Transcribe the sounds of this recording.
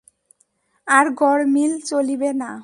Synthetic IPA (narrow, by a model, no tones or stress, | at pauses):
aɾɡʱɔɽmilt͡ɕolibena